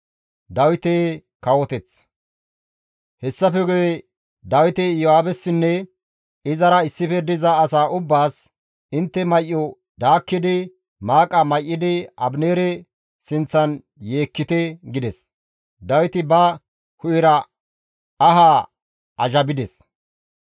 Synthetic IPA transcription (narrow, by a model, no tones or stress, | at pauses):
d̪ɐwɪt̪ekɐwɔt̪ɛt͡s | hɛsːɐfɛɡɔjɛ | d̪ɐwɪt̪ɛjɔhaːbɛsːɪnːɛ | ɪzɐɾɐɪsːɪfɛd̪ɪzɐːsaːʔʊbːaːs | ɪnt̪ːɛmɐjʔːɔ | d̪aːkːɪd̪ɪ | maːkʼːɐmɐjʔːɪd̪ɪɐbneːɾɛ | sɪnt͡sːɐn | jeːkːɪt̪ɛɡɪd̪ɛs | d̪ɐwɪt̪ɪbɐ | hʊʔɪɾɐ | ɐɦaː | ʔɐʒɐbɪd̪ɛs